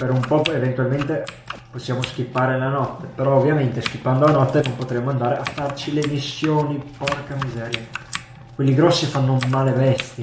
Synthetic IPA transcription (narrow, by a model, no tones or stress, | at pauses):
peɾumpɔevent̪ualment̪e | posːjaːmosk̟ipːaːɾelanɔt̪ːepeɾɔovːjament̪esk̟ipːand̪olanɔt̪ːenompot̪ɾɛmːoand̪aːɾeʔafːart͡ʃilemisːjoːnipɔrkamizɛːɾja | kwelːiɡɾɔsːifanːomalevɛst̪ji